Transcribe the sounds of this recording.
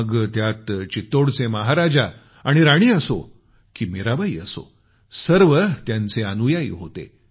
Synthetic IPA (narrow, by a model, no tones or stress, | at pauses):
əɡt̪jat̪t͡ɕit̪oɽt͡seməɦaɾad͡ʑa | aɽ̃iɾaɽ̃iːəso̰ | kiːmiɾabaiːəso̰ | səɾʋət̪jãnt͡seanujaḭːɦot̪ḛ